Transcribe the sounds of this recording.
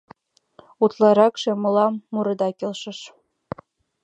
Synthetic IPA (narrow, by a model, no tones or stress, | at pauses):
ut̪lˠɑɾɑkʃemɤ̆lˠɑmːuɾɤ̆d̪ɑkʲelʃɤ̆ʃ